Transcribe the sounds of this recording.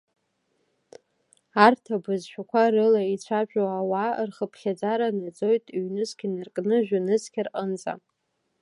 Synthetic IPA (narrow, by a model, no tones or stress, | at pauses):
artʰabɨzʃʷᶣakʷʰarɨlait͡ɕʷʰaʒᶣoawarχəpʰχʲad͡zaɾanad͡zo̞jtʼiɥnɨzkʲɪnɨrkʼnɨʒᶣʊnɨzkʲɪrʔʼənd͡zʼa̰